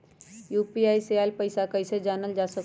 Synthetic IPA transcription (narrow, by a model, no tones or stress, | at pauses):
juːpiaːiseaːlpəɪsakəɪsed͡ʒaːnəld͡ʒaːsək